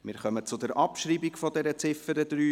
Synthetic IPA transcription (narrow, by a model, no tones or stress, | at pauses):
mɪːɾχœmət͡sʊdɛɾʔɑpʃɾiːbikfɔdɛɾət͡sɪfəɾəd̪ɾyː